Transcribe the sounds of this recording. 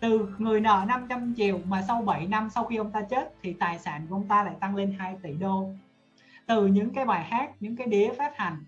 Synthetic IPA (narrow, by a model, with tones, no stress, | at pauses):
t̪ɨ˨˩ŋɨ˨˩əjnə̰ː˧˨na˧mt͡ɕa˧mt͡ɕi˨˩əwmaː˨˩sa˧wɓə˧˩jna˧msa˧wxi˧ʔə˧wŋ͡mt̪aː˧t͡ɕe˦˥t̚t̪ʰi˨˩t̪aː˨˩jsa̰ː˧˩˨nku˧˩ʔə˧wŋ͡mt̪aː˧la̰ː˧˨jt̪a˧ŋle˧nhaː˧jt̪ḭ˧˩ɗo˧ | t̪ɨ˨˩ɲɨ̰˧˥ŋkaː˨˦jɓaː˨˩jhaː˦˥k̚ɲɨ̰˧˥ŋkaː˨˦jɗi˨˦əfaː˦˥t̚ha˨˩jŋ̟